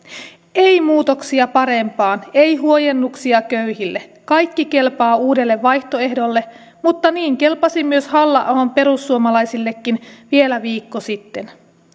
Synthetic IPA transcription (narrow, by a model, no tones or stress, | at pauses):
ejmuːt̪o̞ksiɑpɑɾe̞mpɑːne̞jɦuojenːuksiɑkøɥɦilːe̞kɑjkːike̞lpɑːuːde̞lːe̞ʋʋɑjçt̪o̞e̞hdo̞lːe̞ | mut̪ːɑniːŋke̞lpɑsimːyøshɑlːɑʔɑompe̞ɾusːuomɑlɑjsilːe̞kːinʋielæʋiːkːosit̪ːe̞n